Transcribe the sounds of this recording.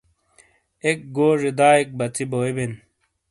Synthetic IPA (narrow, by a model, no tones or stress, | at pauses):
ek̚ɡoːʐid̪aːek̚bɐt͡siboːiben